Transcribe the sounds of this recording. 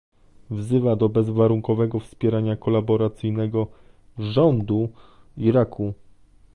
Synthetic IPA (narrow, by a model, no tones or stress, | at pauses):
vzɘvad̪ɔbɛzvaɾuŋkɔvɛɡɔfspʲjɛɾaɲakɔlabɔɾat̪sɘjnɛɡɔ | ʐɔnd̪u | iɾakʰu